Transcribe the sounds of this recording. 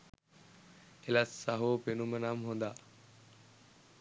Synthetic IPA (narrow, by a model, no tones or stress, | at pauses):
elɐsːaɦoːpenumənamɦond̪aː